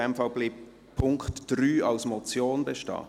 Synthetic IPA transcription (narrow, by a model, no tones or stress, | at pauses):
ɛmfɑlbliːp̚ | pʰːʊŋkχtd̥ɾyːɑlsmɔt͡sjoːnbɛʃtɑ̰ː